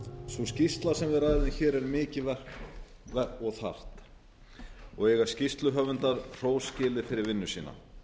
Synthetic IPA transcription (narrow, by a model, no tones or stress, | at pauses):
svɔscist̪lasɛmvɪðɾaːjðɪnçɛːɾɛɾmɪːcɪvɛr̥k | vɛɔɣθa̰r̥t̪ | ɔɣɛɣḁscist̪lʏɦœvʏnt̪aɾ̥r̥oːwscɪːlɪfɪɾɪɾvɪnːʏsiːna̰